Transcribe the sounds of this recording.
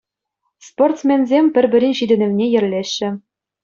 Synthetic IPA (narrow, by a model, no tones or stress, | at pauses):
sport̪smʲenzʲemʲpʲɘ̆rʲbɘ̆ɾʲɘ̆nʲɕid̪ʲɘ̆nʲɘ̆ʋnʲejɘ̆rʲlʲeɕːɘ̆